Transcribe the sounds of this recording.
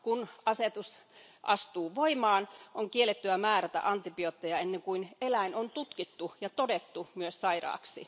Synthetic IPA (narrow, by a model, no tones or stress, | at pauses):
kunɑset̪us | ʔɑ̰st̪uːʋoimɑːnʔoŋkielːet̪ːyæmæːræt̪æ̰ʔɑnt̪ːipiot̪ːejɑenːeŋkuinelæinont̪ut̪kit̪ːujɑt̪odet̪ːumyøssɑirɑ̰ːksḭ